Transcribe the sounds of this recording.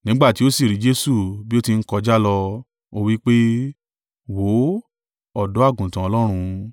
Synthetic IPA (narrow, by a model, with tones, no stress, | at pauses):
nĩ˦ɡ͡ba˦˨ti˨˦o˦si˦˨ɾi˨˦d͡ʒe˦su˦˨bi˦o˦ti˧n̩˦kɔ˧d͡ʒa˦lɔ˧ | o˧wi˦k͡pe˦ | wo˨˦ | ɔ˦˨dɔ˨˦a˦˨ɡũ˨tã˨ɔ˧lɔ˦ɾ̃ũ˧